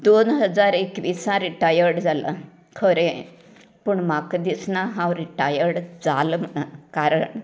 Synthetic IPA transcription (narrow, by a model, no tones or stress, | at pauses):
d̪onɦəd͡zaɾekʋisãɾiʈajəɾɽd͡zalə̰ | kʰəɾẽ | pəɳmakd̪isnaɦãwɾiʈajəɾɽd͡zalmnakaɾəɳ